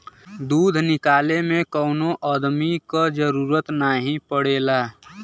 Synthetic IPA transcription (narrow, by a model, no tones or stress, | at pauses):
d̪uːd̪ʱnɪkaːlemẽkəʊnoʔəd̪mikad͡ʒəɾuːɾət̪naːɦĩpəɽeːlaː